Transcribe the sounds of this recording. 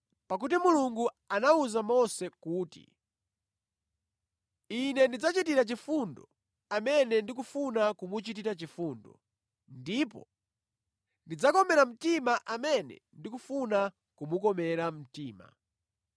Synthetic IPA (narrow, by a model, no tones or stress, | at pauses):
pak̬ut̬imuluŋɡu | anauzamɔsɛkuːtḭ | inɛndid͡zat͡ʃit̬iɾat͡ʃifundɔ̰ | amɛnɛndikufunakumut͡ʃit̬iɾat͡ʃifuːndɔ̰ | ndipɔ̰ | ndid͡zakɔmɛɾam̩timaʔamɛnɛ̰ndikufuna | kumukɔmɛɾam̩tiːma̰